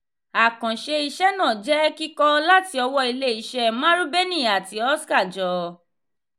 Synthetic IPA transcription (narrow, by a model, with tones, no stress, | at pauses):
a˨kã˨ʃe˧i˧ʃɛ˦nãː˦˨d͡ʒɛ˦ki˦kɔ˦la˦ti˦ɔ˧wɔ˧i˧le˦i˨ʃɛ˧mã˦ɾũ˦be˦nĩ˦˨a˨ti˧˦ɔ˦ska˦˨d͡ʒɔ˨˦